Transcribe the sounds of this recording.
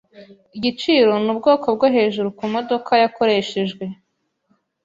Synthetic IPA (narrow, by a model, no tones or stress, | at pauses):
iɟit͡ʃiːɾo̞nub̚ɡo̞ːkob̚ɡoɦe̞ːʒuɾukumo̞do̞kʰajakʰo̞ɾe̞ʃe̞ʒɡwe̞